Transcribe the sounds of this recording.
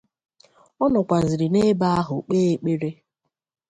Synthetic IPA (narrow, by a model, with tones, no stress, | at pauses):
ɔ˦nɔ˨kʷa˨zɪ˨ɾɪ˨ne˦ba˦a˦ɦʊ˨k͡peː˦e˨k͡pe˦ɾe˦